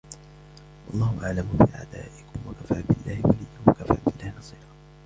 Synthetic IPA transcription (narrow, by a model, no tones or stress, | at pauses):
wʔɑlˤːɑːhʊʔaʕlamʊfiːʕa̰d̪aːʔɪkʊmwakafaːbɪlːaːhɪwalɪjːʊmwakafa̰ːbɪlːaːhɪnɑsˤiːɾɑ